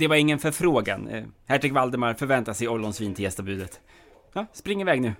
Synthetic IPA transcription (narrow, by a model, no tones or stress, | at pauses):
d̪ɛvaɾɪŋːənfœɾfɾoːɡa̰nhæʈɾɪɡvald̪əmaɾfœɾvɛnt̪asɛjɔlːɔnsviːnt̪ʰɪjɛst̪abʉ̟ːd̪ət̪ | jɑːspɾɪŋːɪvɛːɡnʉ̟ː